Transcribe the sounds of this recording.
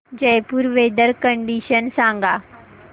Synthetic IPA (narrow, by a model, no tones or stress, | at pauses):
d͡ʑɐjpuɾʋeːd̪əɾkə̃ɳɖiʃənsãːŋɡaː